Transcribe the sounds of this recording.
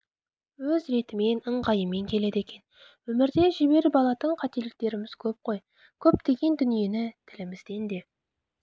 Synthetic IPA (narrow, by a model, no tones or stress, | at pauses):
wɵzɾe̞t̪ɪme̞nəɴʁɑjəme̞ŋkʲʰe̞le̞d̪e̞kʲe̞n | wɵmɪɾd̪e̞ʒɪbe̞ɾbɑlˠɑt̪əɴqʰɑt̪e̞lɪk̚t̪e̞ɾɪmɪz̥kʲʰɵp̚qʰo̞j | kʲʰɵp̚t̪e̞ɡʲe̞nd̪ʏnije̞nɪt̪ʰɪlɪmɪzd̪e̞nd̪e̞